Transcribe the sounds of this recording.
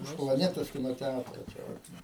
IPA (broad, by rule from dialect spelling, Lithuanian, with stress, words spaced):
ʊʃ plˠɐˈnʲæːtoːs ˈkʲɪnoː ˈtʲætroː t͡ʃʲɛ ˈʋɐt